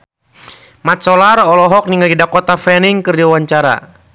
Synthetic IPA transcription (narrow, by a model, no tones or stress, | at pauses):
mat̪̚sɔlarɔlɔɦɔk̚niŋɡaɡidakɔt̪afɛniŋkɨrdiawaɲt͡ʃaɾa̰